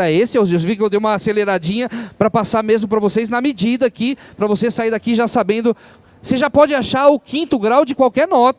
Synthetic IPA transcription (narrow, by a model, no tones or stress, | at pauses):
ɐesɪewzezvikɪewd̪ej̃ũmɐaseleɾad͡ʒĩɲɐpɾɐpasaɾmezmʊpɾɐvosejznɐmɪd͡ʒid̪ɐkɪpɾɐvosesaiɾd̪akiʒasabẽnd̪ʊ | seʒapɔd͡ʒɪaʃaɾʊkʰĩnt̪ʊɡɾawd͡ʒɪkwawkɛɾnɔt̪ɐ